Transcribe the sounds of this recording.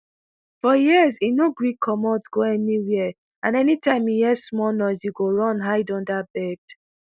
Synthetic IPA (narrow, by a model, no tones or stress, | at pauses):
fɔjizinoɡɹikʰːɔmɔtɡ̥oɛniwi | ãnɛnitãɪ̃mijɛsmɔnɔɪsiɡoɹɔ̃nɦaɪdɔ̃ndabɛd